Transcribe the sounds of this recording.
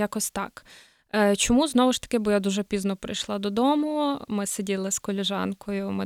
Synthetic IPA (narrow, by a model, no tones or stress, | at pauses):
jakɔsʲt̪ɑ̰k | t͡ʃɔmuznɔʋʊʃt̪ɐ̥kɪbʊjad̪uʒɛpʲiznɔpɾɪ̰jʃlˠɑd̪ɔd̪ɔmʊmɪsedʲilˠɪskɔlʲɪʒɑ̰nkʰɔjʊmɪ